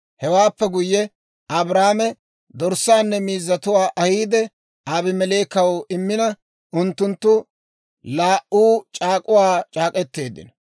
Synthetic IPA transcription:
hɛwaːpːɛɡʊjːɛ | ʔɐbɾaːmɛ | d̪ɔɾsːaːnːɛmiːzːɐt̪ʊwaːʔɐhiːd̪ɛ | aːbɪmɛleːkɐwʔɪmːɪnɐ | ʊnt̪ːʊnt̪ːʊ | laːʔuːt͡ʃʼaːkʼʊwaːt͡ʃʼaːkʼɛt̪ːe̞ːd̪ːɪ̰n

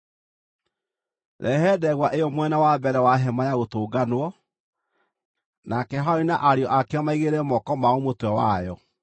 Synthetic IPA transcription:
ɾʔɛɦɛdɛɣwaʔejɔmwɛnawabɛɾɛwaɦɛmajaɣotoːɡanowɔ | nakɛɦainaʔaɾeɔʔakɛɔmaiɣeɾɛmɔkɔmaomotwɛwa̰jɔ

